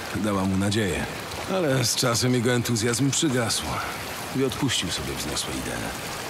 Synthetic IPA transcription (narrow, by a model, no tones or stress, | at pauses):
d̪awamunad͡ʑejɛ̰ | alɛst͡ʂasɛmjɛɡɔɛnt̪uzʲjazmpʂɘɡaswa | iɔt̪puɕt͡ɕiwsɔbʲjɛvzɲɔswɛ̰ḭd̪ɛ̰ɛ̰